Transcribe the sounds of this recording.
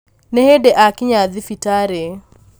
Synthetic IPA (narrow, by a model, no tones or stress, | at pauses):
nɛhedɛʔakɪɲaðɪfitaːɾe